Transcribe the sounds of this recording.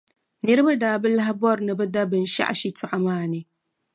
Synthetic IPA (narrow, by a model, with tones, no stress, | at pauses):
nɨ˦ɾɨ˦ba˦daː˨bɨ˦la˦ɦɪ˦bɔ˦ɾɨ˨nɨ˦bɨ˦da˦bɨ˨n̩˨ʃa̰˦ʔa̰˨ʃi˦tʰʊ˨ʔa˨maː˦˨nɨ˨